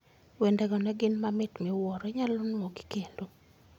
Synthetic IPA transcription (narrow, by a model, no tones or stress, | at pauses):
wendɛɡɔnɛɡɪnmamɪtmɪwɔɾɛɲalʊnŋɔɡi̥kendo